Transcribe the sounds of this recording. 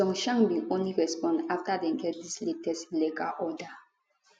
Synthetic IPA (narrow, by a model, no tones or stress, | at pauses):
ɔ̃ŋʃãŋbiʔõnliɹɛspɔ̃ndaftadɛ̃nɡɛt̚disletɛsleka̰ʔɔda